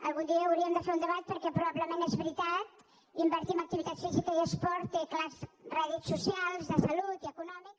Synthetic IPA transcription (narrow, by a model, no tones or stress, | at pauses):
ə̰lˠɣund̪iəːwɾiəmd̪əfeund̪əβat̪̚pəɾkɛpɾuβaβləmenezβɾit̪at̪ | imbəɾt̪iəmək̚t̪iβit̪at̪sfizikəziəspɔɾt̪eklasraðiksːusialˠzðəsɐlut̪iəkunɔmiks